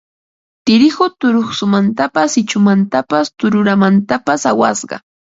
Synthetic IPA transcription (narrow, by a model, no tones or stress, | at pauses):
t̪ɪɾɪxʊt̪ʊɾoχsʊmant̪apasɪt͡ʃʊmant̪apast̪ʊɾʊɾamant̪apasawasɢɑ̰